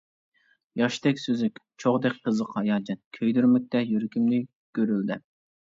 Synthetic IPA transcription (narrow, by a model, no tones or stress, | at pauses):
jɑʃt̪ɛkʲsøzykʲ | t͡ʃʰoʁd̪ɛk̚ʲqʰəzəqʰɑjɑːd͡ʒɛnkʲʰøjd̪yɾmɪk̚ʲt̪ɛjyɾkʲimnɪ | ɡ̥ʲøɾyld̪ɪ